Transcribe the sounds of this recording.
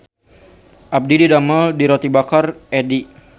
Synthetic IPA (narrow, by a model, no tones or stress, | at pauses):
ʔab̚dididamaldiɾot̪ibakarɛdi